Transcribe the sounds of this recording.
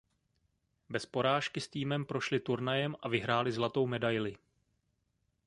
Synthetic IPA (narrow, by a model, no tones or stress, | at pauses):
bɛspo̞ɾaːʃkɪst̪iːmɛmpɾo̞ʃlɪt̪uɾnajɛmʔavɪɦɾaːlɪzlat̪o̞wmɛdajlɪ